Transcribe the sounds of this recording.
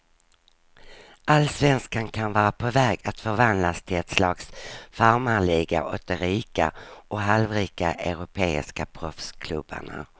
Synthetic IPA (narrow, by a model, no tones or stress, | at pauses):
alːsvɛnskankʰanvɑːɾapʰɔvɛːɡat̪fœɾvand̪last̪ʰɪlɛt̪slɑːksfaɾmaɭiːɡa̰ʔɔt̪ːəɾiːka̰ɔɦalvɾiːkaʔœɾʊpʰeːɪ̰skapʰɾɔfskʰlɵbːa̰ɳa̰